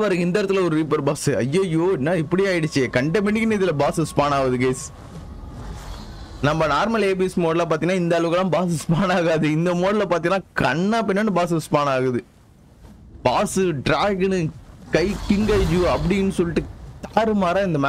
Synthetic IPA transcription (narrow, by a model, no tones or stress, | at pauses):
ʋɐɾɐɪnd̪ɐːɾɐt̪ːɯlɐɔɾɯɾiːpɐɾbaːsɯɐjːojoːɪnːaːɪpːɐɽɪjaːjɪɽɯt͡ʃːɪekɐɳɖemɪɳːɪkːɪnːɯɪðɪlɐbaːsɯspaːnaːʋɐðɯɡɐɪs | nɐmːɐnaːɾmɐleːbismoːɽɐlɐp̬aːɾt̪iŋɐnaːɪnd̪ɐːɭɐʋɯɣɐlãːbaːsɪspaːnaːɣaːðɯɪnd̪ɐmoːɽɐlɐpaːɾt̪iŋɐnaːkɐɳːaːpɪnːɐnɯbaːs̬ɪspaːnaːɣɐðɯ | baːsɯɖɾaːɡɐnkɐɪkɪŋɡɐːd͡ʒɯɐpɐɽɪnːɯsɔlːɪʈːɯt̪aːɾɯmaːɾãːɪnd̪ɐmaː